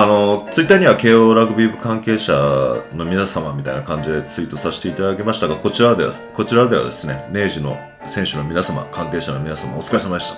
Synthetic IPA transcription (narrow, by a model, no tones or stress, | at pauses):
ano̞t͡sɨit̪ːaɲ̟iβake̞ːo̞ːɾaɡɯ̟bʲiːbɯ̟kãŋke̞ːɕano̞mʲinasamamʲit̪ainakãɲ̟d͡ʑid̪e̞t͡sɨiːt̪ːo̞saɕi̥t̪e̞it̪ad̪akʲemaɕi̥t̪aɡako̞t͡ɕiɾad̪ea̰ | ko̞t͡ɕiɾad̪e̞βa̰d̪e̞sɨne̞ne̞ːʑino̞̰ | sẽ̞ɕɨno̞mʲinasama̰kãŋke̞ːɕano̞mʲinasamaot͡sɨ̥kaisemaei̥t̪ḁ